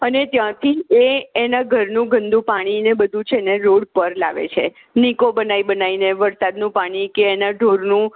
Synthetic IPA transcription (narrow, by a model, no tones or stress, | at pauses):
ənet̪jãt̪ʰieːnaɡʱəɾnũɡʱənd̪ʱũpaɽ̃inebəd̪ʱũt͡ʃʰeneɾoɽpəɾla̰ʋḛt͡ʃʰe | nikobənaibənaineʋəɾsad̪nũpaɽ̃ikeːnaɖʱoɾnũ